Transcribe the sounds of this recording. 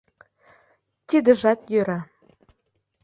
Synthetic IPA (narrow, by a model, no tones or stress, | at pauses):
t̪id̪ə̆ʒɑt̪jøɾɑ